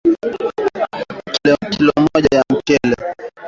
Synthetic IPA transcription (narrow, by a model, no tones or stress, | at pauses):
kilɔkilɔmɔʄajam̩kɛlɛ